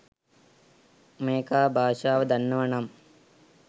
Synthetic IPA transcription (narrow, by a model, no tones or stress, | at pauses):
meːkaːbʱaːʃaːʋɐd̪ɐnːɐʋɐɳɐm